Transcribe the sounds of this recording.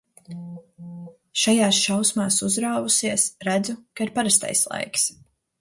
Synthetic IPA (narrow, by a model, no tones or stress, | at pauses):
ʃajaːsʃawsmaːsuzɾaːvusiɛsɾæd̪zukaiɾpaɾast̪a̰jslˠa̰jks